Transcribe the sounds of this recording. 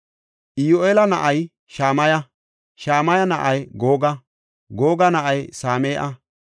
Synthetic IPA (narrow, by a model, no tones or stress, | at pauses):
ʔɪjoʔeːlɐnɐʔɐj | ʃaːmɐjɐ | ʃaːmɐjɐnɐʔɐjɡoːɡɐ | ɡoːɡɐnɐʔɐjsaːmeːʔɐ